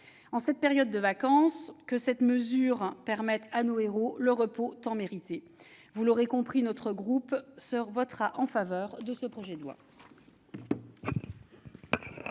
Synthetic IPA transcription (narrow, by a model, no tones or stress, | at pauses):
ɑ̃sɛt̪̚peʁjɔd̪ːəvakɑ̃skəsɛt̪məzyʁpɛʁmɛt̪anoeʁoləʁəpot̪ɑ̃meʁit̪e | vuloʁekɔ̃pχinɔt̪χəɡʁupsəvɔt̪χaʔɑ̃favœːʁd̪əsəpχɔʒɛd̪wa̰